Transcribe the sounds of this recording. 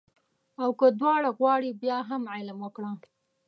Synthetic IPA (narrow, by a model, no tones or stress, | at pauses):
awkəd̪wɑɽaɣwɑɽibjɑɦamʕalamwəkɽa